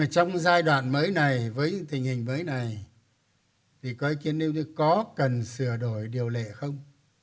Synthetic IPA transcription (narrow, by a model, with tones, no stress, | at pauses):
t͡ɕɔ˧wŋ͡mzaː˧jɗwa̰ː˧˨nməː˨˦jna˨˩jvəː˨˦jɲɨ̰˧˥ŋt̪ï˨˩ŋ̟hï˨˩ŋ̟məː˨˦jna˨˩j | t̪ʰi˨˩kɔ˨˦˨ki˧ənːɗi˧wɲɨ˧˦kɔ˨˦kə˨˩nsɨ˧˩əɗo˧˩jɗi˨˩əwlḛ˧˨xə˧wŋ͡m